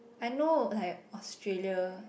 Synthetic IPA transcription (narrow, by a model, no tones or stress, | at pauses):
ajnolaɪk̚ɔstɹeliə